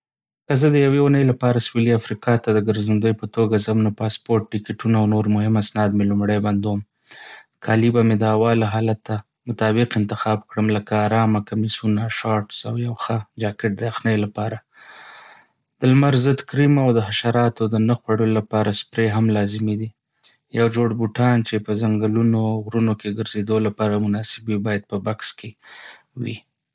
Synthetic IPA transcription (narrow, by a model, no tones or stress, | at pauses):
kəzəd̪əjaweunəjlapɑɾaswiliafɾikɑt̪ad̪əɡəɾzənd̪əjpət̪oɡazəmnapɑspoɾʈ̚ːɪkɪʈunaawnoɾmʊhɪmasnɑd̪melʊmɽajband̪om | kʰɑlibamed̪əawɑlaɦɑlat̪ːa | mʊt̪ɑbɪqɪnt̪ɪxɑbkɽəmləkaːɾɑmakamisunaʃɑʈsawjawxəd͡ʒɑkɪʈ̚d̪əaxnəjlapɑɾa | d̪̥əlmaɾzəd̪kɾimawd̪əɦaʃaɾɑt̪od̪ənaxwaɽəlolapɑɾaspɾeɦamlɑzɪmid̪i | jawd͡ʒoɽbuʈɑnt͡ʃepəzaŋɡalunoɣɾunokeɡəɾzed̪olapɑɾamʊnɑsɪbwibɑjad̪̚pəbakske | wḭ